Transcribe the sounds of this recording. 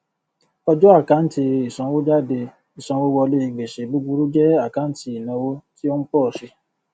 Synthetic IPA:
ɔ˧d͡ʒɔ˦a˦˨ka˨˦n̩˦ti˧i˨sã˧wo˦d͡ʒa˦˨de˧ | i˨sã˧wo˦wɔ˧le˦i˧˨ɡ͡be˨ʃe˨bu˦ɡ͡bu˧ɾu˦d͡ʒɛ˦a˦˨ka˨˦n̩˦ti˧i˨nã˨˧wo˦ti˦o˦n̩˦pɔ˦˨ʃe˧

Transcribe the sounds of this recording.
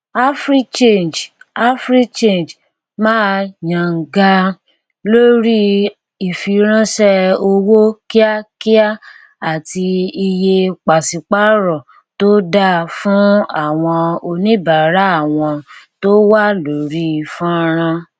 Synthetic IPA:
a˦fɾi˦t͡ʃe˦˨nd͡ʒa˦fɾi˦t͡ʃe˦˨nd͡ʒ | mãː˦jã˨ŋ̩˨ɡa˧ | lo˦ɾi˦ | i˨fi˨˧ɾ̃ã˦ʃɛ˦o˧wo˦ki˦a˦ki˦a˦ | a˨ti˧i˧je˧k͡pa˨si˨k͡pa˦ɾɔ˨ | to˦da˦fũ˦a˦˨w̃ɔ̃˧o˧nĩ˦ba˨ɾa˦a˦˨w̃ɔ̃˧to˦wa˦lo˨ɾi˦˨fũ˦˧ɾ̃ã˧

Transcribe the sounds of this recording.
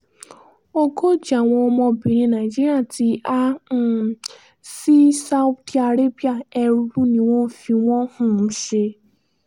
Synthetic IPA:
o˦ko˦d͡ʒa˨w̃ɔ̃˧ɔ˧mɔ̃˧bĩ˨ɾĩ˧na˨i˨d͡ʒi˦ɾi˦a˦˨ti˨˦a˦˨ | si˦sa˦wta˧ɾe˦bi˦a˨ɛ˧ɾu˦nĩ˧˦w̃ɔ̃˦fi˧w̃ɔ̃˦hũ˦˨n̩˦ʃe˧

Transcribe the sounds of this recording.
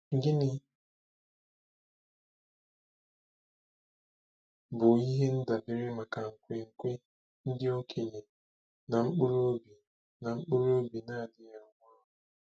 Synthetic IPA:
ŋ̩˦ɡɪ˦nɪ˦ | bʊ˨i˦ɦe˦n̩˦da˨dɪ˨ɾɪ˦ma˨ka˨ŋ̩˨kʷe˨ŋ̩˨kʷe˦ | n̩˦dɪ˦o˦kʰe˨ɲe˨ | na˨ŋ͡m̩˦k͡pʊ˦ɾo˦bi˨ | na˨ŋ͡m̩˦k͡pʊ˦ɾo˦bi˨na˦a˨dɪ˦ja˦ɡʷa˦ʊ˨

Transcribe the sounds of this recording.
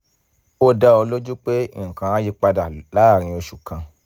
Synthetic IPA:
o˦da˧o˧lo˦d͡ʒu˦k͡pe˦ĩ˦˨kã˨˧ã˦ji˦k͡pa˧da˨la˨˦˨ɾ̃ĩ˧o˧ʃu˨kã˧

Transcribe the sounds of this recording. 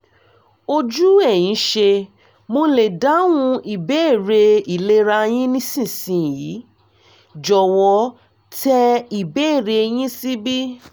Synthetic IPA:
o˧d͡ʒu˦ɛ˦˨j̃ĩ˨˦ʃe˧ | mo˧˦le˨da˨˦w̃ũ˧i˨be˦e˦˨ɾe˧i˨le˦ɾa˧j̃ĩ˦nĩ˦sĩ˦˨sĩ˧˨ji˨˦ | d͡ʒɔ˨wɔ˨˦ | tʰɛ˧i˨be˦e˦˨ɾe˧j̃ĩ˦si˦bi˦

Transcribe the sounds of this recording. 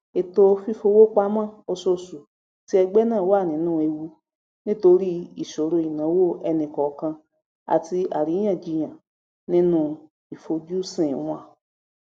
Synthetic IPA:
e˨to˧fi˦fo˧wo˦k͡pa˦mã˦˨o˧so˧su˨ | ti˦ɛ˧ɡ͡bɛ˦nãː˦˨wo˦a˦˨nĩ˨˦nũː˦e˧wu˧ | nĩ˦to˧ɾi˦i˨ʃo˨ɾo˧i˨nã˨˦wo˦˨ɛ˧nĩ˨kɔ˨˦kã˧ | a̰˨ti˧a̰˨ɾĩ˨˦ã˦˨d͡ʒi˧j̃ã˨ | nĩ˦nũ˧˦ | i˨fo˧d͡ʒu˦sĩ˦˨˦ã˧˨

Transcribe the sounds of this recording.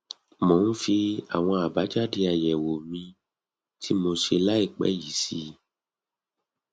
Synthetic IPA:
mõ˨˦n̩˦fi˧a̰˨w̃ɔ̃˧a˨ba˨˦d͡ʒa˦di˧a˨jɛ˨wo˨mĩ˧ | tʰi˦mo˧ʃe˧la˦i˦˨k͡pɛ̰˦ji˨˦si˧˦

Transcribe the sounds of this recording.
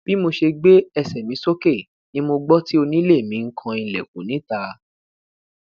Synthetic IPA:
b̥i˨˦mo˧ʃe˧ɡ͡be˦ɛ˧sɛ˨mĩ˨˦so˦ke˦˨ | nĩ˧mo˧ɡ͡bɔ˦ti˦o˧nĩ˦le˦˨mĩ˨˦ŋ̩˦kʰã˧ĩ˧˨lɛ˨k̚ṵ̃˨˦nĩ˨˦ta˧˦

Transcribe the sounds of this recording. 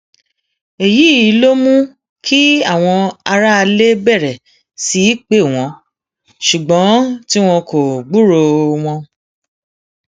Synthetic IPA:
e˨ji˨˦˨i˨˦lo˦mũ˦ | kʰi˦a˦˨w̃ɔ̃˧a˧ɾa˦˧le˦bɛ˦˨ɾɛ˨ | si˨˦k͡pe˦˨w̃ɔ̃˨˧˦ | ʃu˨ɡ͡bɔ̃˨˦ti˦w̃ɔ̃˧ko˨ɡ͡bu˦ɾo˧w̃ɔ̃˧

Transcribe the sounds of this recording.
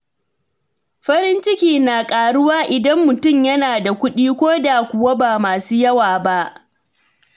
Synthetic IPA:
ɸɐ˦ɾɪ˦nt͡ʃɪ˦kʲiː˨naː˨kʼaː˨ɽʊ˦waː˦ʔɪ˨dɐ˦mːʊ˨tʊ˦mjɐ˦naː˨da˨kʷʊ˦ɗiː˦kʷoː˦da˨kʷʊ˨wa˦baː˨maː˨suː˦jɐ˦waː˨ba˦ʔ

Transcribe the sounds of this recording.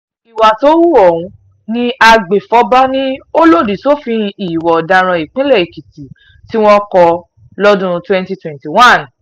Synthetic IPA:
i˨wa˨to˨˦wu˦˨ɔ˨wũ˧˦ | nĩ˦a˧ɡ͡be˨fɔ˨˦ba˦nĩ˦o˦lo˦˨di˨to˦fĩ˧i˦˨wɔ˨dã˧ɾ̃ã˧i˨k͡pĩ˦lɛ˦˨i˨ki˨ti˨ | ti˦w̃ɔ̃˦kɔ˧ | lɔ˦dũ˦˧twɛ̃˦nti˧twɛ̃˨nti˨wã˦˨n

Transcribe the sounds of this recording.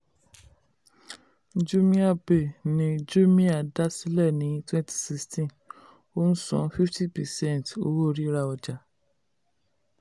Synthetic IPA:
d͡ʒu˦mĩ˦a˦˨be˨nĩ˧d͡ʒu˦mĩ˦a˦˨da˦si˦lɛ˦˨nĩ˨˦twɛ̃˦ntʰi̥˨si˦stĩ˦˨ | o˦n̩˦sɔ̰̃˨˦fi˦fti˦pɛ˨sɛ̃˦˨to̰˦wo˦˨ɾi˦ɾa˧ɔ˧d͡ʒa˨

